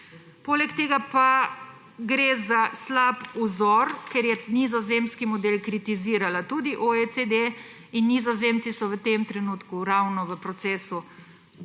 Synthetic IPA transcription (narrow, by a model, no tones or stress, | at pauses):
poːlɛkt̪eːɡapa | ɡɾeːzaslapuzɔːɾkɛɾjɛnizɔzemskimɔd̪eːlkɾit̪iziːɾalat̪uːd̪iʔoesed̪e | inːizɔzeːmt̪sisɔʋət̪emt̪ɾɛnuːt̪kuɾawnɔʋəpɾɔt̪seːsu